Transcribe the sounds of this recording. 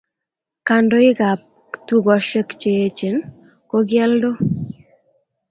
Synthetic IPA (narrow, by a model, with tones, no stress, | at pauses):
ka˨ndo˦ɪ˦ɡa˨p̚ | tu˦ɡɔ˨ʃe˦kt͡ʃe˦e˦t͡ʃe˨n | ko˦ɡɪɛ˦ldo˦